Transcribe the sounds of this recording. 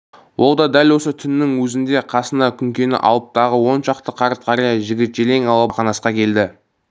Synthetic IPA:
wʔo̞lˠd̪ɑd̪ælwo̞sət̪ʰʏnːɪŋwɵzɪnd̪e̞qʰɑsənɑkʲʰʏŋkʲe̞nɪ̰ʔɑ̰lˠəp̚t̪ɑʁəwo̞nʃɑqt̪əqʰɑɾt̪̚qʰɑɾɑjɑʒɪɡʲɪt̪ʒ̥ele̞ŋɑlˠɑqɑnɑsqɑkʲʰe̞ld̪ɪ

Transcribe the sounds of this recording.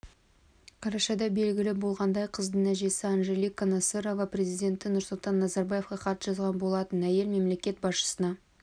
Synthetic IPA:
qʰɑɾɑʃɑd̪ɑbe̞lɡʲɪlɪbo̞lˠʁɑnd̪ɑjqʰəzd̪əɴæʒe̞sɪɑnʒe̞likonɑseɾovɑpre̞zijd̪ʲe̞nt̪ɪnʊɾsʊlˠt̪ɑnːɑzɑɾbɑje̞fqɑqʰɑt̪ʒ̥ɑzʁɑnbo̞lˠɑt̪ənæje̞lme̞mle̞kʲe̞t̪̚bɑsʃə̥sənɑ

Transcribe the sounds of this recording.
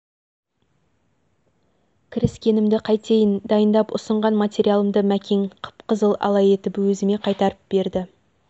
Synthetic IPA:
kʲʰɪɾɪskʲe̞nɪmd̪ɪqʰɑjt̪ʰe̞jənd̪ɑjənd̪ɑpʊ̰səɴʁɑnmat̪ʲeɾijalˠəmd̪əmækʲʰe̞ŋqʰə̥pqəzəlˠɑ̰lˠɑje̞t̪ɪpwɵzɪme̞qʰɑjt̪ɑɾəp̚be̞ɾd̪ɪ

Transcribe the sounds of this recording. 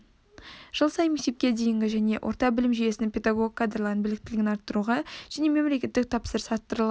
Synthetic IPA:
ʒ̥əlˠsɑjmek̚t̪e̞p̚kʲe̞d̪e̞jɪŋɡʲɪʒæne̞wʔo̞̰ɾt̪ɑbɪlɪmʒije̞sɪnɪŋpʰʲe̞d̪aɡoɡʲkʰːad̪rlˠɑɾənbɪlɪk̚t̪ɪlɪɡʲɪnɑɾt̪ːəɾuʁɑʒ̥æne̞me̞mlekʲe̞t̪ːɪk̚t̪ʰɑpsəɾəsɑt̪ːəɾəlˠɑ

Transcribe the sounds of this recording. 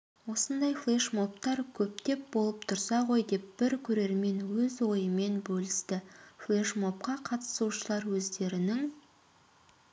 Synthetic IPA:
wo̞sənd̪ɑjflˠeʃmo̞p̚t̪ɑɾkʲʰɵp̚t̪e̞p̚bo̞lˠəp̚t̪ʰʊɾsɑʁo̞jd̪e̞p̚b̥ɪɾkʲʰɵɾe̞ɾme̞nwɵzwo̞jəme̞nbɵlɪst̪ɪflˠeʃmo̞p̚qɑqʰɑt̪ə̥suʃəlˠɑɾwɵzd̪e̞ɾɪnɪŋ

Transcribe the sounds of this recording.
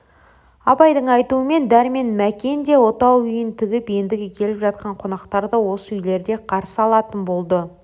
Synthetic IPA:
ɑpɑjd̪əɴɑjt̪uəme̞nd̪æɾme̞nmækʲe̞nd̪e̞wo̞t̪ɑwʏjɪnt̪ʰɪɡʲɪpend̪ɪɡʲɪkʲʰe̞lɪpʒɑt̪̚qɑɴqʰo̞nɑqt̪ɑɾd̪əwo̞səʏjle̞ɾd̪e̞qʰɑɾsəɑlˠɑt̪ənbo̞lˠd̪ə

